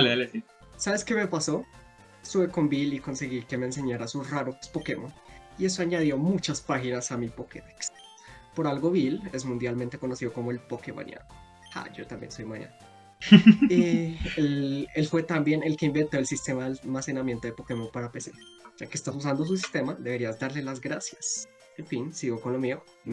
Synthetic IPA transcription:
aleale | saβe̞ske̞me̞paso̞ | suβeko̞mbiliko̞nse̞ɣike̞meːnse̞ɲaɾasuraɾokespo̞ke̞moie̞so̞aɲaðjo̞mut͡ʃaspaxinasamipoket̪eks | po̞ɾalɡo̞βile̞zmũnd̪jalme̞nt̪e̞ko̞no̞siðo̞ko̞moe̞lpokema̰nj̰a̰no | ha̰d͡ʒo̞t̪ambje̞̰nso̞jmaɲa̰na | eele̞lfwe̞t̪ambje̞ne̞lke̞imbe̞nt̪o̞elsist̪e̞maðelmase̞namje̞nt̪oðepo̞ke̞mopaɾape̞se̞d͡ʒakeːst̪as̬us̬and̪os̬us̬ist̪e̞mad̪e̞βe̞ɾiazd̪aɾle̞lazɡɾasjas | eɱfinsiɣo̞ko̞nlo̞mio

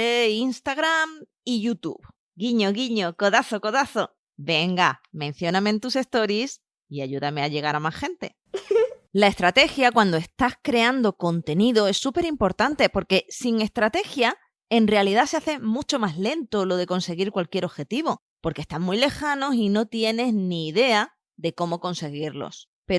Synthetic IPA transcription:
einst̪aɣɾam | iʝut̪ṵβ | ɡiɲo̞ɣiɲo̞ko̞ðaθo̞ko̞ðaθo̞ | be̞ŋɡamẽn̟θjo̞namẽnt̪use̞st̪o̞ɾis | iaʝuðame̞aʎe̞ɣ̞aɾamahxe̞nt̪e̞̰ | lae̞st̪ɾat̪e̞xjakwand̪oe̞st̪ahkɾe̞and̪o̞ko̞nt̪e̞niðo̞e̞sːupe̞ɾimpo̞ɾt̪ant̪e̞po̞ɾke̞siŋe̞st̪ɾat̪e̞xja | e̞nrealiðase̞aθe̞mut͡ʃo̞mazle̞nt̪o̞lo̞ð̞e̞ko̞nse̞ɣiɾkwalkjeɾo̞xe̞t̪iβo̞ | po̞ɾkest̪aŋmːujle̞xano̞sino̞t̪je̞ne̞zniːðe̞a | ðe̞ko̞mo̞ko̞nse̞ɣ̞iɾlo̰s | pe

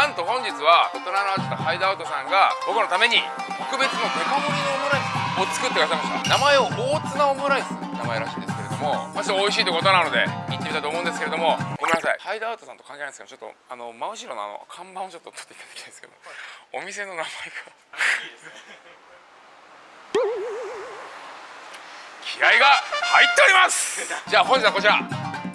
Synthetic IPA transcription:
nãnt̪o̞hõ̞ɲ̟d͡ʑit͡sɨβaot̪oɾanoat͡ɕɨt̪ohaid̪oaɯ̟t̪osãŋɡabo̞kɯ̟no̞t̪ame̞ɲ̟it̪o̞kɯ̟be̞t͡sɨno̞k̪e̞komoɲʲinoomoɾaisɨot͡sɨ̥kɯ̟t̪ekɯ̟asaimasɨ̥a̰namae̞o̞bo̞ːt͡sɨnaomoɾaisɨnamaeɾa̰ɕĩːnd̪e̞sɨ̥ke̞ɾe̞d̪o̞mo̞mat͡ɕiaoiɕiːt̪okot̪o̞nano̞d̪e̞̰ĩnt̪emiait̪omoɯ̃nd̪es̬ɨ̥keɾe̞d̪o̞mo̞okomenasa̰ḭhaid̪oaːɯt̪o̞sãnt̪okãŋkenanskemot͡ɕo̞t̪ːo̰ano̞maɯ̟ɕiɾo̞noa̰no̰kʰãmbãot͡ɕo̞t̪ːot̪ʰːot̪ːeit̪ad̪ḁkʲinaesɨ̥ked̪o̰omʲise̞no̞namaeɡa | kʲʰiɾaiɡahait̪ːe̞oɾʲimasɨ̥d͡ʑaːhõ̞ɲd͡ʑit͡s̪akot͡ɕiɾa

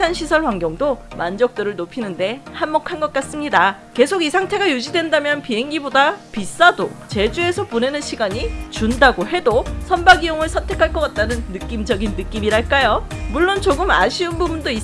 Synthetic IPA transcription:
anɕʰisʰʌɭɸwaŋɡjʌŋdomand͡ʑʌk̚t͈ɯɾɯɭnopʰinɯnde̞hanmʌkʰanɡʌt̚k͈as͈ɯmɲida | ke̞sʰoɡisʰaŋtʰe̞ɡajud͡ʑidwe̞ndamjʌnpiɦe̞ŋɡibodapis͈adot͡ɕe̞d͡ʑue̞sʰʌpone̞nɯnɕʰiɡaɲit͡ɕundaɡoɦe̞dosʰʌnbaɡijoŋɯɭsʰʌntʰe̞kʰaɭk͈ʌk͈at̚t͈anɯnːɯk͈imd͡ʑʌɡinːɯk͈imiɾaɭk͈ajomuɭːont͡ɕoɡɯma̰ɕʰiɯnbubundoi

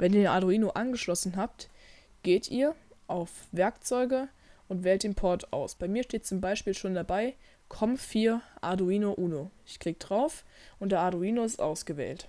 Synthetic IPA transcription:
vɛniːɐdenʔa̰duiːnoʔanɡəʃlɔsn̩ɦaːp̚t | ɡ̥eːtʰʔḭːɐʔaʊfv̥ɛɐkt͡sɔʏɡə | ʔʊntv̥ɛːltd̥eːnpʰɔɐtʰa̰ʊsb̥aɪmiːɐʃteːtt͡sʊmbaɪʃpiːlʃoːndabaɪ | kʰɔmfiːɐʔa̰doiːnoʔuːnoɪçkʁ̥iːk̚d̥ʁaʊfʔʊnt̚d̥eːɐʔaduiːnoɪstʔa̰ʊsɡ̥əvɛ̰ːlt

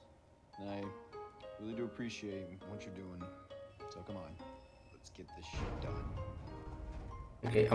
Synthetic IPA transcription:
naɪɹɪlˠiɾɨːpʰɹ̥iʃieɪt̚wʌt͡ʃə˞dʉɪ̃ŋsʰoʊkʰʌ̃mə̃n | lətsɡ̥ɛt̪̚ðɨʃɪt̚d̥ʌ̃n | okʰeɪʔã

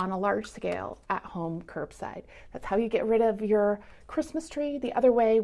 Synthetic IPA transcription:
ə̃nəlɑɹd̥ʒ̥skeɪlˠʔə̰t̚hõʊ̃mkʰɜ˞bsa̰ɪd̪̚ðætshaʊjɨɡɛʔ̚ɹɪɾʌvjə˞ | kʰɹ̥ɪsməstʰɹ̥iðiʔʌðə˞weɪ

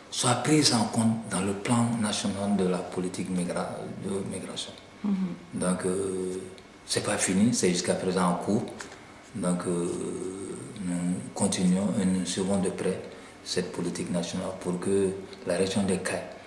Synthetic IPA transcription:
swapɾizɑ̃kɔ̃t̪d̪ɑ̃ləplɑ̃nasjɔnald̪əlapolit̪ikɡdəmiɡɾasjɔ̃ | d̪ɔ̃k | sɛpafinisɛʒyskapɾezɑ̃ːkʰuːɾ | d̪ɔ̃kə | nukɔ̃t̪inɥɔ̃enuswivɔ̃d̪əpɾɛ | sɛt̪̚pʰolit̪iknasjɔnalpʰuɾkəlaɾɛtjɔ̃d̪ɛkaj

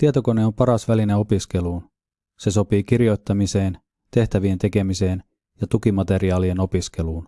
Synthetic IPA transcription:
t̪iet̪o̞ko̞neo̞mpɑɾɑsʋælineo̞piske̞luːn | se̞so̞piːk̟irjo̞jt̪ːɑmise̞ːn | t̪e̞ht̪æʋie̞nt̪e̞ke̞mise̞ːn | jɑt̪ukimɑt̪e̞ɾiɑːlie̞no̞piske̞luːn

